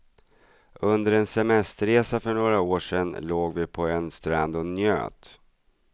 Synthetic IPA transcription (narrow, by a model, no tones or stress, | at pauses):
ɵnd̪əɾɛnsɛmɛst̪əɾeːsafœɳoːɾaoːʂɛnːloːɡvɪpʰɔɛnst̪ɾa̰nd̪ɔnjø̰ːt̪